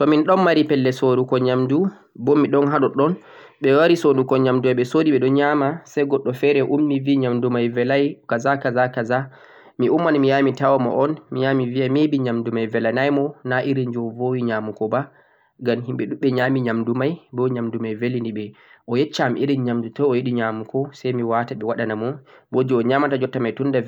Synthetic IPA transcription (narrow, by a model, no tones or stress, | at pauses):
tɔminɗɔnmaɾipɛlːɛsoɾukɔɲamdu | bɔmiɗɔnɦaɗɔɗɔn | ɓɛwaɾisondukɔɲamdumaɓɛsodiɓɛɗɔɲamasajɡɔɗːɔfɛɾɛʔumːiviɲamdumajvɛlajkazakazakaza | miʔumːanmijamitawamɔ̰ʔɔnmijamiviamebiɲamdumajvɛlanajmɔnaʔiɾind͡ʒɔvowiɲamukɔba | ɡamɦimɓɛɗuɓɛɲamiɲamdumajbɔɲamdumajvelindiɓɛʔɔjɛt͡ʃːamʔiɾinɲamdutɔɔjeɗiɲamukɔsajmiwataɓɛwaɗanamɔbod͡ʒiɔɲaːmatad͡ʒɔtːamajtunda